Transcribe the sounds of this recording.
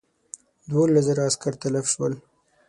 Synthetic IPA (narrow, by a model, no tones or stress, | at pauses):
d̪wolːazəɾaaskaɾt̪alafʃwəl